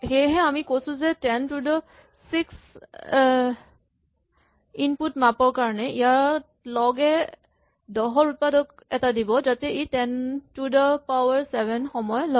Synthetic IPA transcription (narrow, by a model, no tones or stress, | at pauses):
hejɦɛamikosʊ̃zɛtɛntudɔ | siks | inputmapɔɹkaɹɔnɛijaɹ | lɔɡɛ | dɔɦɔɹupadɔk | ɛtadibɔzatɛetɛntudɔpawɛɹsɛbʱɛnxɔmɔjɔlɔ